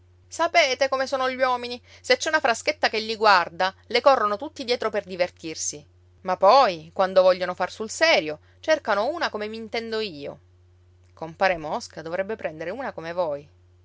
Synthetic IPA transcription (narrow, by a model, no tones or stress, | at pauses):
sapeːt̪ekomesoːnoʎwɔːmini | set͡ʃːɛunafɾasket̪ːakeʎːiɡward̪alekɔrːonot̪ut̪ːid̪jɛːt̪ɾoperd̪ivert̪irsi | mapːɔjkwand̪ovɔʎːonofarsulsɛːɾjo | t͡ʃerkanouːnakomemint̪ɛnd̪oiːo̰ | kompaːɾemɔskad̪ovɾɛbːepɾɛnd̪eɾeuːnakomevoj